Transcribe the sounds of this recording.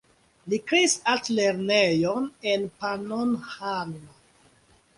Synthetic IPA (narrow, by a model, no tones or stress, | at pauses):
likɾeisatleɾnejonenpanonhanːo